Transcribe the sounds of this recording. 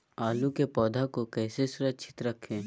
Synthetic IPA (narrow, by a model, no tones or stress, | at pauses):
aːlukepɔːd̪ʱakokɛːsesʊɾət͡ʃʰɪ̥t̪ɾɐkʰːẽː